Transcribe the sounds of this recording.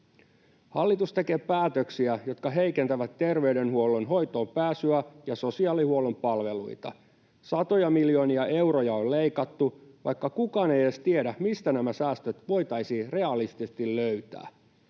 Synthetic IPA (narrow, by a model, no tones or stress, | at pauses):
hɑlːit̪ust̪ekeːpæːt̪øksiæjo̞t̪kɑɦe̞ikent̪æʋæt̪ːe̞rʋeydenhuolːonɦo̞jt̪o̞ːmpæːsyæjɑso̞siɑːlihuolompɑlʋe̞lṵit̪ɑ̰ | sɑt̪ojɑmiljoniɑe̞wrojɑollejkɑt̪ːuʋʔɑ̰jkːɑkukɑːnejest̪iedæmist̪ænæmæsæːst̪øt̪ʋo̞jt̪ɑjsire̞ɑlist̪isest̪illøyt̪æ̰ː